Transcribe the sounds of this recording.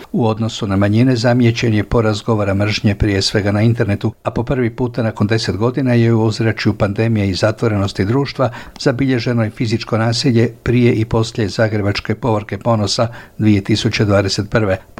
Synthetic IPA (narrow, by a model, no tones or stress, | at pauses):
uo̞d̪no̞sunamaɲinezamje̞t͡ɕe̞njepo̞ɾazɡo̞ʋoɾamr̩ʒɲepɾije̞sʋe̞ɡanaint̪e̞ɾne̞t̪uapo̞pr̩ʋipuːt̪anako̞nd̪e̞se̞t̪ɡo̞d̪inaje̞uuzɾat͡ʃjupand̪e̞mijeizat̪ʋo̞ɾe̞no̞st̪id̪ɾuːʃt̪ʋaz̥abiʎe̞ʒe̞nojefizit͡ʃko̞naːsiʎe̞pɾijeʔipo̞sʎe̞zaːɡɾe̞bat͡ʃke̞po̞ʋrɾ̩ke̞po̞no̞sad̪ʋije̞t̪isut͡ɕed̪ʋaːd̪e̞se̞t̪̚pr̩ʋe̞